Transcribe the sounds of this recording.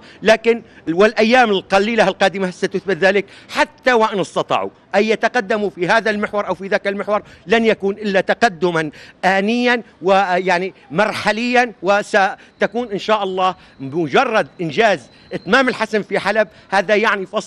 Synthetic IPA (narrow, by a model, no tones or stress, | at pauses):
laːkɪnwɪlʔajːaːmɪlqɑliːlalqɑːd̪ɪmasat̪ʊθbɪt̪ðaːlɪkħat̪ːawaʔɪnɪst̪ɑt̪ˤɑ̰ːʕṵ | ʔajːat̪aqɑd̪ːamufiɦaːðalmɪħwɑɾˤʔawfiðaːkalmɪħwɑɾˤlanjakuːnʔɪlːat̪aqɑd̪ːʊmanʔaːnɪjːan | wɪjaʕnimɑɾˤħalɪjːanwɪsa | t̪akuːnʔɪnʃaːʔɑlˤːɑːh | mʊd͡ʒɑrˤːɑd̪̚ʔɪnd͡ʒaːz | ʔɪt̪maːmɪlħasamfiħalab̚haːðajaʕnifɑs